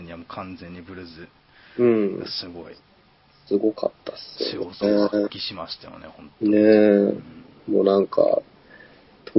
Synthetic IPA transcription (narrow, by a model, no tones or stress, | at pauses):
ɲ̟iamokʰãnd͡zẽɲ̟ːibɯ̟ɾɯzɨ | ɯ̟̃ɴ̰sɨɡoi | sɨɡo̞ka̰t̪ːasɨo̰ekʲiɕimaɕi̥t̪ajo̰nehõnne̞ | mo̞̰nãŋkʰa̰ | t̪ʰo